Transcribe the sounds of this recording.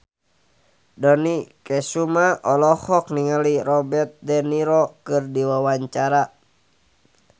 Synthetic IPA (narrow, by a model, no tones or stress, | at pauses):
dɔnikɛsumaʔɔlɔhɔk̚niŋəliɾɔbɛrt̪̚dɛniɾɔkɨrdiwawaɲt͡ʃaɾa